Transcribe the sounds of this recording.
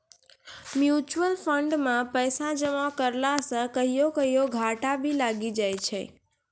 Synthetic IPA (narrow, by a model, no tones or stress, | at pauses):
mjut͡ʃwəlfʰəɳɖmãpəjsãd͡ʒəmakəɾlasə̃kəɦijokəɦijoɡʱaʈabʱilaɡid͡ʒajt͡ʃʰe